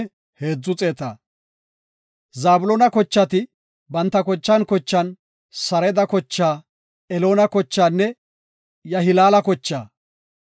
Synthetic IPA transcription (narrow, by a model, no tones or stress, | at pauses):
heːd͡zːʊt͡sʼe̞ːt̪a̰ː | zaːbʊlɔnɐkɔt͡ʃːɐt̪ɪ | bɐnt̪ːɐkɔt͡ʃːɐnkɔt͡ʃːɐn | sɐɾɛd̪ɐkɔt͡ʃːaː | ɛlo̞ːnɐkɔt͡ʃːaːnːɛ | jɐɦɪlaːlɐkɔt͡ʃːaː